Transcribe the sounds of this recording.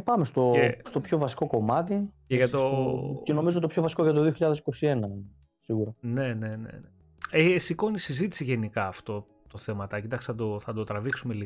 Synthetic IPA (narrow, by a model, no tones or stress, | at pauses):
pɐmest̪o̞est̪o̞pço̞vɐsi̥ko̞ko̞mɐt̪iceʝɐt̪oceno̞mizot̪opço̞vɐsi̥koʝɐt̪̬oðioçiʎɐðe̞si̥ko̞sienɐn | siɣuɾɐne̞ne̞nḛne | eesiko̞nisizit̪i̥siʝe̞nikɐːft̪o̞ | t̪o̞θe̞mɐt̪ɐcit̪ɐksi̥θɐd̪oθɐd̪o̞t̪ɾɐviksumeli